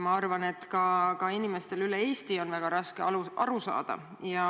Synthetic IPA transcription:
mɑɑrvɑne̞t̪kɑkɑinime̞st̪elylee̞ːst̪io̞nvæɡ̥ɑɾɑske̞ɑluɑɾusɑ̰ːd̪̥ɑ̰ | jɑ

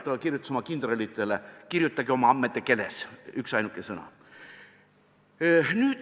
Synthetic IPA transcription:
t̪ɑɑkirjut̪ːu̥smɑkind̪̥relit̪ːˑelekirjut̪ːˑɑɡio̞mɑɑmːet̪ːˑeke̞lesyksɑjnukːˑesɤnɑ̰ | nyːd̪̥

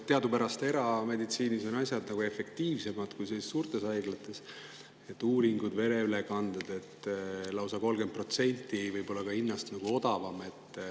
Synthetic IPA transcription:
t̪e̞ɑd̪upæɾɑst̪e̞ɾɑme̞d̪it̪siːniso̞nɑsʲjɑd̪nɑɡ̥ue̞fe̞kt̪iːvse̞mɑd̪̥kujselːessuːrt̪ˑe̞sɑjɡ̥lɑt̪ːˑe̞s | e̞t̪ːuːɾiŋɡud̪ve̞ɾeylekɑnd̪̥ed̪̥e̞t̪ːˑlɑwsɑko̞lɡe̞nt̪̚pro̞t̪se̞nʲt̪ːˑivɤjpo̞lːɑkɑinːɑst̪nɑɡ̥uo̞d̪ɑvɑme̞t̪ːˑ

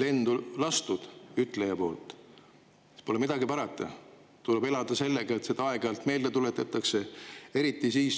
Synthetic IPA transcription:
le̞nd̪ulɑst̪ud̪̥yt̪ˑlejɑpo̞ːlt̪ˑ | spo̞lemid̪̥ɑɡipɑɾɑt̪ːˑɑ̰ | t̪ulebe̞lɑd̪̥ɑse̞lːeɡ̥ɑet̪se̞d̪̥ɑɑe̞ɡɑlt̪me̞ːld̪et̪ulet̪ːˑɑt̪ːˑɑkse̞e̞ɾit̪ːˑisiːs

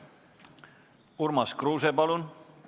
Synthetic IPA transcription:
uɾmɑskruːsepɑlun

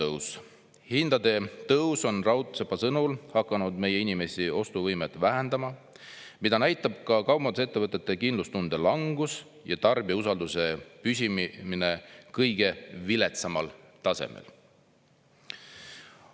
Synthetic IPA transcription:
ɤws | hind̪̥ɑd̪e̞t̪ɤwso̞nrɑwt̪sepːɑsɤnulhɑkːˑɑnud̪me̞jeinime̞sio̞st̪uvɤjmet̪ːˑvæɦænd̪̥ɑmɑ | mid̪̥ɑnæjt̪ːˑɑb̥̚kɑkɑwmɑnse̞t̪ːe̞vɤt̪ˑːet̪ˑːe̞kinlust̪und̪̥e̞lɑŋɡ̥us | jɑt̪ɑrbius̬ɑld̪use̞pysʲimmine̞kɤjɡ̥e̞vilet̪sɑmɑlt̪ɑsḛmḛl

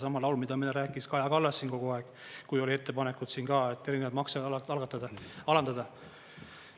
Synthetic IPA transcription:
sɑmɑlɑwlmid̪ɑmineɾæːkˑːiskɑjɑkɑlːɑsːiːnko̞ɡ̥oɑeɡ̥ | kujo̞lie̞t̪ːe̞pɑnekːud̪̥siːnkɑːet̪ːˑe̞ɾinevɑd̪mɑksɑlɡ̥ɑt̪ːˑɑd̪ɑɑlɑnd̪ɑd̪̥ɑ

